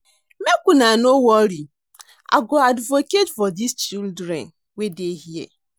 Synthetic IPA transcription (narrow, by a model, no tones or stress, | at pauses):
mekʷunanowɔɾi | a̰ɡoadvoketfɔdist͡ʃildɾɛ̰n | wedeɦiḛ